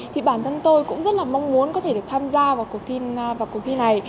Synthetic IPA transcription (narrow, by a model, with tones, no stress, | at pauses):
t̪ʰi˨˩ɓaː˧˩nt̪ʰə˧nt̪o˧jkʊ̰˧˥ŋ͡mzə˦˥t̚laː˨˩ma˧wŋ͡mmu˨˦ənkɔ˨˦t̪ʰe˧˩ɗək̚t̪ʰaː˧mzaː˧vaː˨˩wku˨˩k̚t̪ʰi˧vaː˨˩ku˨˩k̚t̪i˧na˨˩j